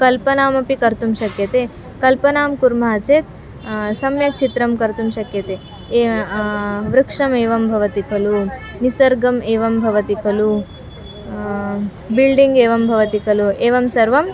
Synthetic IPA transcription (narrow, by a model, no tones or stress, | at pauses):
kɐlpɐnaːmɐpikɐɾt̪umʃɐkjɐt̪eː | kɐlpɐnaːmkuɾmɐɦɐt͡ʃeːt̪̚ | sɐmjɐt͡ʃit̪ɾɐmkɐɾt̪umʃɐkjɐt̪eː | ʋɾɐkʂɐmeːʋɐmbʱɐʋɐt̪ikʰɐlu | nisɐɾɡɐmeːʋɐmbʱɐʋɐt̪ikʰɐlu | bilɖiŋɡeːʋɐmbʱɐʋɐt̪ikʰɐlueːʋɐmsɐɾʋɐm